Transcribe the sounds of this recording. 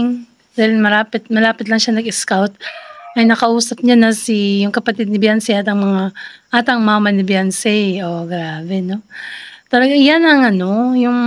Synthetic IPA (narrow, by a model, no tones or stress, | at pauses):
ŋ | d̪̥aːhɪlmɐɾaːpɪt̪̚mɐlaːpɪt̪lɐŋʃanɐɡɪskawt̪̚ʔɐjnɐkɐʔuːsɐp̚ɲanɐsijʊŋkɐpɐt̪ɪd̪̚nɪbjansɛʔat̪ɐŋmɐŋaʔaːt̪ɐŋmmɐnɪbjansɛjoɡɾaːbɛno̞t̪olɐɡajanɐŋɐno̞jʊŋ